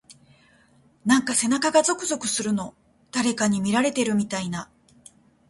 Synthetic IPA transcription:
nãŋkase̞nakaɡazo̞kɯ̟zo̞kɯ̟sɨɾɯ̟no̞ | d̪̥aɾe̞kaɲ̟imʲiɾaɾe̞t̪e̞ɾɯ̟mʲit̪aina

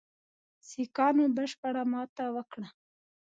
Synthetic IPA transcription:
sikɑnobəʃpəɽamɑt̪awəkɽa

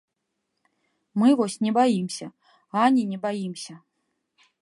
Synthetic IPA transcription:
mɨvɔsʲnʲɛbajimsʲɐ | anʲinʲɛbajimsʲɐ

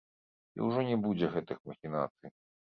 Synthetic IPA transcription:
ḭwʐɔnʲɛbud͡zʲɛɣɛt̪ɨxmɐxʲina̰t̪sɨj

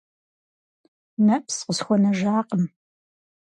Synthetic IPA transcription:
nɐpsqəsxʷɔnɐʒaːqəm

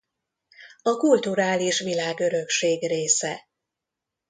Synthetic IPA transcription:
ɒkult̪uɾaːliʃʋilaːɡø̞ɾø̞kʃeːɡreːsɛ

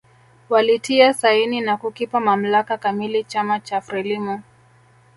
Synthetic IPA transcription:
walitʰiasaininakukipamam̩lakakamilit͡ʃamat͡ʃafɾɛlimɔ

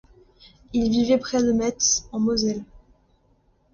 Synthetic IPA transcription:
ilvivɛpχɛd̪əmɛt̪sɑ̃mozɛl

